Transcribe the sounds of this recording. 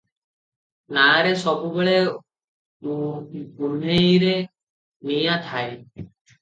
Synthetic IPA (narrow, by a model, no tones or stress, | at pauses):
naːɾesɔbubeɭe | ɡun̤ejɾe | mijat̪ʰae